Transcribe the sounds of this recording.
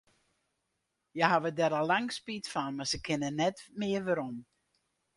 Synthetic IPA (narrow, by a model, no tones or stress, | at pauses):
jəhaʋədɛɾɔlˠːaŋspitfɔnmasəkʰɪnənɛtmɪəʋəɾɔm